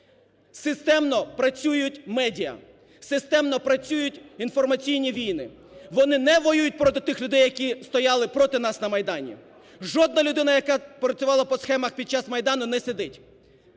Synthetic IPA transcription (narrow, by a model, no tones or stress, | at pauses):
sɪst̪ɛmnɔpɾɐt͡sʲujʊtʲmɛdʲiɐ̰ | sɪst̪ɛmnɔpɾɐt͡sʲujʊtʲinfɔrmɐt͡sʲijnʲiʋʲijnɪ | ʋɔnɪnɛʋɔjujʊt̚ʲpɾɔt̪ɪt̪ɪxlʲʊd̪ɛjːɐkʲist̪ɔjɑlˠɪpɾɔt̪ɪnɑsnɐmɐjd̪ɑnʲḭ | ʒɔd̪nɐlʲʊd̪ɪnɐjɐkɑpɾɐt͡sʲʊʋɑlˠɐpɔsxɛmɐxpʲid̪̚t͡ʃɑsmɐjd̪ɑnʊnɛsed̪ɪtʲ